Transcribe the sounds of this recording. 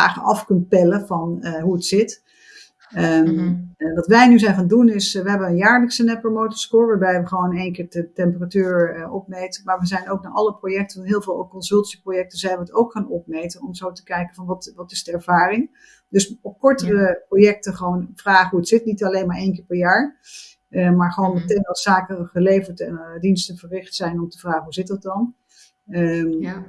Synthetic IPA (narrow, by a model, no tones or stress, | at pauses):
aːχənɑfkɵntpɛləvɑnəɦuətsɪt | ə | ʋɑtʋɛjnyzɛjnχaːndunɪsʋəɦɛbənənjaːɹləksənɛpəmowtəɹskʊːɹʋaːɹbɛjʋəχəʋownejnkɪːɹdətɛmpəratyːɹʔɔpmejtəmaːɹʋəzɛjnowk̚naɹʔɑləprowjɛk̚tənɦɪːlˠvɪːlˠkɔnzɵlˠtsiprojɛk̚təzɛjnʋəːtowkχaːnɔpmejtənɔmzowtə̥kɛjkənvɑnʋɑtʋɑtɪzdəɛɹv̥aːrɪŋ | dɵsɔp̚kɔɹtərəprojɛk̚təχʋownvraːχəɦuətsɪtnitɑlejnmaːɹejnkɪːɹpɛɹjaːɹ | əmaːɹχəʋoːnmətejnɑsaːkəχəlejvəɹtɛndinstəvərɪχtsɛjnɔmtəvraːχəɦuzɪt̚dɑt̚dɑn | ə